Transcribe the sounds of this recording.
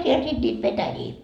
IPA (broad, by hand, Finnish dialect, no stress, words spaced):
siel sit nʲiːt petæjiː